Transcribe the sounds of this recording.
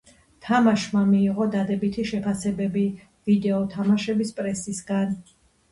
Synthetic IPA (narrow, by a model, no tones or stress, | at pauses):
t̪ʰamaʃmamiːʁɔd̪ad̪ɛbit̪ʰiʃɛpʰasɛbɛbi | vid̪ɛɔt̪ʰamaʃɛbispʼɾɛsisɡan